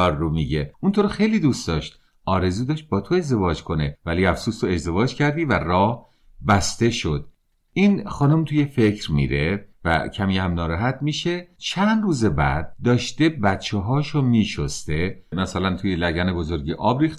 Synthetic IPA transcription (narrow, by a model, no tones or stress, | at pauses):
ɒːɾːomiːɟeunt̪ʰoɾxejliːd̪ustd̪ɒːʃt̪ | ʔɒːɾe̞zuːd̪ɒːʃt̪̚bɒːt̪ʰoe̞zd̪e̞vɒːd͡ʒkʰo̞ne̞væliæfsuːst̪oe̞zd̪e̞vɒːd͡ʒcʰæɾd̪iːværɒːh | bæst̪e̞ʃod̪̥ | iːnxɒːnomt̪ʰuje̞fe̞cʰɾmḭɾevæ̰cʰæmihæmnɒːɾæɦæt̪ʰmiːʃe̞t͡ʃʰænd̪ruːzebæ̰d̪̚ːɒːʃt̪e̞bæt̪̚t͡ʃʰeɦɒːʃomiːʃost̪emæsælænt̪ʰujelæɟæne̞bozo̞ɾɟeʔɒːbɾiːxt̪